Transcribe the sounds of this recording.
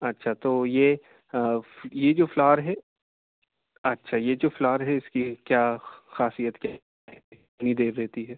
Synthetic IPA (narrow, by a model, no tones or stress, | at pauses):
ɐtːʃʰat̪oːje | jed͡ʒoːflɔːɾɦɛː | ɐtːʃʰajed͡ʒoːflɔːɾɦɛɪskikjaːxaːsijət̪kja | ɛi | nid̪eːɾːɛɦt̪iɦɛː